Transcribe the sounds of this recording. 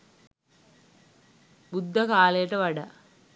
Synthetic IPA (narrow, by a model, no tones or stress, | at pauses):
bud̪ʱːɐkaːleːʈɐʋɐɽɐ